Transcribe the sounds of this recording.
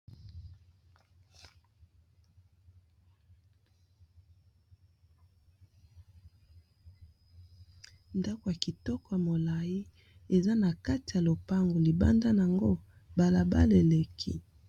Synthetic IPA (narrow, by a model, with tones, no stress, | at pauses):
nda˦ko˨ja˨ki˨tɔ˦kɔ˨ja˨mo˨la˨ji˦ | e˨za˦na˨ka˦ti˨ja˨lo˨pa˦ŋɡo˨li˨ba̰˦nda˦n˨a˨ŋɡo˦ | ba˨la˨ba̰˦le˨le˨kʰḭ˦